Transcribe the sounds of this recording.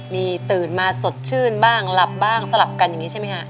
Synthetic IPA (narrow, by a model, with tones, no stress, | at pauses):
miː˧t̪ɯː˨˩nmaː˧so˨˩t̪̚t͡ɕʰɯː˥˩nbaː˥˩ŋla˨˩p̚baː˥˩ŋsa˧la˨˩p̚ka˧nja˨˩ŋiː˦˥t͡ɕa˥˩ma˦˥kʰa˦˥ʔ